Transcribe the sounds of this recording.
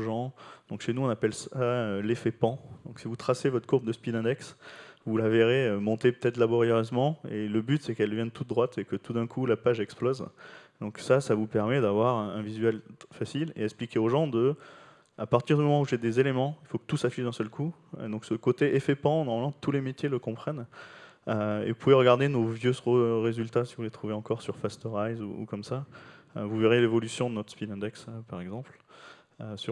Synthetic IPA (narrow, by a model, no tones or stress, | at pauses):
ʒɑ̃d̪ɔ̃kʃenuɔ̃napɛlsaølefɛpɑ̃d̪ɔ̃ksivut̪χasevɔt̪χəkuʁbd̪əspid̪ɛ̃d̪ɛksvulaveʁeømɔ̃t̪epə̥t̪ɛt̪χlabɔʁjeʁøzmɑ̃eləbyt̪sɛkɛlvjɛ̃nət̪ut̪̚d̪ʁwat̪ekət̪ud̪ɛ̃kʰulapaʒɛksplɔzd̪ɔ̃ksasavupɛʁmɛd̪avwaʁɛ̃vizɥɛlfasilḛɛksplikʲeoʒɑ̃d̪ə | apaʁt̪iʁd̪ymɔmɑ̃uʒed̪ezelemɑ̃ilfokə̥t̪usafiʒd̪ɛ̃sœlku | ø̰d̪ɔ̃ksəkot̪eʔefɛpɑ̃nɔʁmalmɑ̃t̪ulemet̪jeləkɔ̃pχɛn | øḛvupuveʁəɡaʁd̪enovjøsʁoʁezylt̪asivulet̪χuveɑ̃kɔʁsyʁfast̪ɔʁajzṵṵkɔmsaøvuveʁjelevɔlysjɔ̃d̪ənɔt̪χspilɛ̃d̪ɛkspaʁɛɡzɑ̃pl | øsyʁ